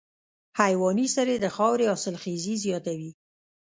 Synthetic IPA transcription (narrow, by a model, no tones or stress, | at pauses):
hajwɑnisaɾed̪əxɑwɾeɑsɪlxezizjɑt̪awi